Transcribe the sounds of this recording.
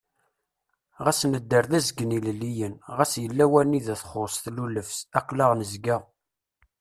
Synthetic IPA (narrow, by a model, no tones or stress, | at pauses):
ʁæsnəd̪ːəɾðæzəɡənillːijənʁæsjəlːæwæniðæθχosθluləfsæqːləʁnəzɡæ